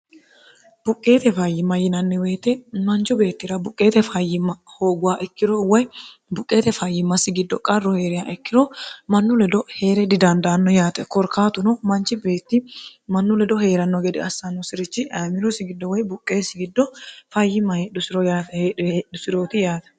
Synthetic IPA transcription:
b̥ʊkʼːe̞ːt̪ɛfɐjːɪmːɐjɪnɐnːɛwe̞ːt̪ɛmɐnt͡ʃɔbe̞ːt̪ːɪɾɐbʊkʼːe̞ːt̪ɛfɐjːɪmːɐho̞ːɡʊwaːʔɛkːɪɾɔwɔj | bʊkʼːe̞ːt̪ɛfɐjːɪmːɐsɪɡɪd̪ːɔkʼɐrːɔhe̞ːɾɪjaʔɛkːɪɾɔmɐnːʊlɛd̪ɔhe̞ːɾɛd̪ɪd̪ɐnd̪aːnːɔjaːt̪ɛkɔɾkːaːt̪ʊnɔmɐnt͡ʃːɪbeːt̪ːɪmɐnːʊlɛd̪ɔhe̞ːɾɐnːɔɡɛd̪ɪɐsːɐnːʊsɪɾɪt͡ʃːɪʔɐmɪɾɔsɪɡɪd̪ːɔwɔjbʊkʼːe̞ːsɪɡɪd̪ːɔfɐjːɪmːɐheːd̪ʊsɪɾɔjaːt̪ɛheed̪ʊsɪɾoːt̪ɪjaːt̪ɛ̥

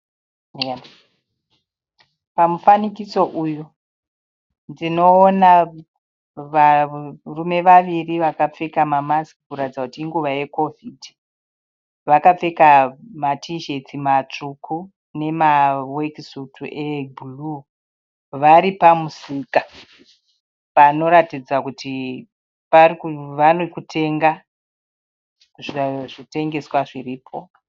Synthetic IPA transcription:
pamufanikiso̞ʔujo | ndino̞ːna | ʋarume̞ʋaʋiriʋakap͡fekamamaskikuɾatid͡zakutiːŋɡuʋaje̞ko̞vʱidʱi | ʋakap͡fekamatʰiʒe̞t͡simat͡ʂukʰu | ne̞mawekisutuʔebulu | ʋaɾipamusika | pano̞ɾatid͡zakuti | parikuʋanokutʰe̞ŋɡa | ʐaʐite̞ŋɡe̞swaʐiriːpʰo̞

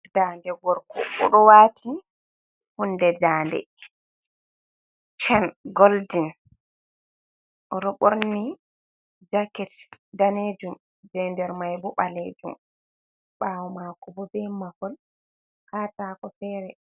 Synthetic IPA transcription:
daːndɛɡɔɾkɔ̰ɓɔɗɔwaːtʰi | hunːdɛdaːndɛ̰ | t͡ʃɛnɡoldin | ʔɔɾɔɓoɾni | d͡ʒakɛtdaned͡ʒum | d͡ʒɛːndɛɾmajbɔɓaleːd͡ʒum | ɓawɔmakɔbɔbɛmahɔl | kaːtaːkɔfɛːɾɛ

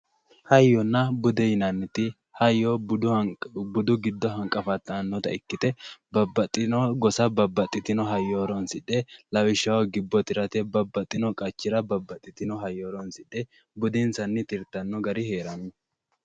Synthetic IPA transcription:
hɐjːɔnːɐbʊd̪ɛjɪnɐnːɛt̪ɪ | hɐjːo | bʊd̪ʊɡɪd̪ːɔɦɐŋkʼːɐfɐt̪ːɐːnːɔt̪ɐɪkːɪt̪ɛbɐbɐt̪ʼɪnɔɡɔsɐbɐbːɐt̪ʼːɪt̪ɪnɔɦɐjːoːɾɔnsɪᶑɛlɐwɪʃːɐwɐɡɪbːɔt̪ɪɾɐt̪ɛbɐbːɐt̪ʼːɪnɔkʼɐt͡ʃːɪɾɐbɐbːɐt̪ʼːɪt̪ɪnɔɦɐjoːɾɔnsɪᶑɛ | bʊd̪ɪnsɐnːɪt̪ɪɾt̪ɐnːɔɡɐɾɪhe̞ːɾɐnːɔ

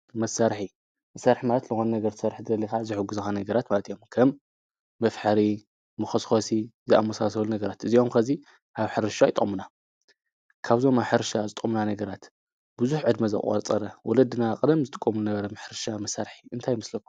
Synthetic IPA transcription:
mɐsːaɾħi | mɐsaɾħimalɐt̪zɨxonunɐɡɐɾt̪ʰsɐɾħd̪ɨɐlːikazɨħɨɡːuzuxanɐɡɐɾat̪malɐt̪ijo̞mkʰɐmː | ɐfħɐɾi | mɐxɐsxosizɨa̰mːɐsasɐlunɐɡɐɾat̪ʔɨzio̞mkʰɐzi | ʔaβħɨɾʃajɪt̪ʼo̰muna | kʰaβzo̞maβħɨɾʃazɨt̪ʼomunanɐɡɐɾat̪ | bɨzuħʕɨd̪mɐzɐ̰kʼɐ̰t͡sʼɐɾɐwɔ̰lɐd̪ɨnaqʼɨd̪ɐmzɨt̪ʼɨ̥kʼːomunɐβɐɾɐmɨħɨɾʃamɐsːaɾħi̥ɨnt̪ʰajmɨslɐkːu̥

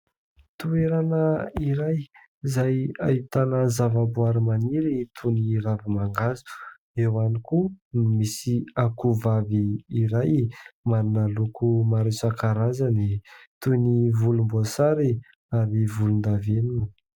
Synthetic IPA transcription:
t̪ueɾanəiɾaj | zajait̪anəzavabuaɾimaniɾit̪ʰuniɾavimaŋɡazu̥ | ewanikunmisiakuvaviːɾajmaɾunalukumaɾesakaɾazənit̪univulumbuasaɾi | aɾivulund̪avenini

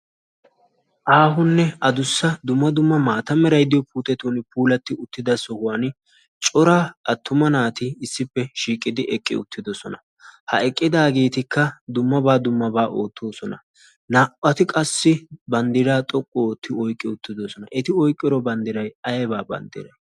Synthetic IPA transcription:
ʔaːɦʊnːɛɐd̪ʊsːɐd̪ʊmːɐd̪ʊmːɐmaːt̪ɐmɛɾɐjd̪ɪjɔpuːt̪ʼɛt̪onpuːlɐt̪ːɪʊt̪ːɪd̪ɐsɔhʊwɐn | t͡ʃʼɔɾaːʔɐt̪ːʊmɐnaːt̪ɪɪsːɪpːɛʃiːkʼːɪd̪ɪʔɛkʼːɪ̰ʊ̰t̪ʰːɪd̪ɔsɔnɐ | hɐ̰ɛkʼːɪd̪aːɡe̞ːt̪ɪkʰːɐd̪ʊmːɐbaːd̪ʊmːɐbaːʔo̞ːt̪ʰːo̞ːsɔnɐ | naːʔɐt̪ɪkʼɐsːɪbɐnd̪ɪɾaːt̪ʼɔkʼːot̪ːɪɔjkʼːɪʊt̪ːɪd̪ɔsɔnɐʔɛt̪ɪɔjkʼːɪɾɔbɐnd̪ɪɾɐjɐjɛbaːbɐ̰nd̪ɪ̰ɾɐj

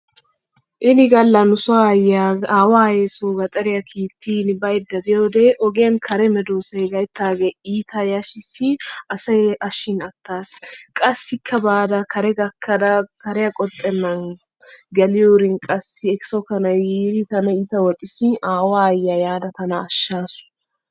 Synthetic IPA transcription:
ʔɪnɪɡɐlːɐnʊsajaaːwaːjesoɡɐt̪ʼɐɾɪjɐkʰiːt̪ʰːiːnbɐjd̪ːɐd̪ɪjoːd̪eʔɔɡɛjɐnkʰɐɾɛmɛd̪oːsɐjɡɐjt̪ːaːɡɛiːt̪ʰɐjaʃɪsɪʔɐsɐjɐʃːɪnɐt̪ːaːskʼɐsɪkʰːɐbaːd̪ɐkʰɐɾɛɡɐkʰːɐd̪ɐkɐɾɛjɐkʼɔt̪ʼːɛnːɐn | ɡɛlɪjoːɾɪnkʼɐsɪɛkɪ̥sɔkɐnɐiːɾit̪ɐnɐiːt̪ɐwɔt̪ʼɪsɪaːwajːajaːd̪ɐt̪ɐnɐːʃːaːsʊ̥

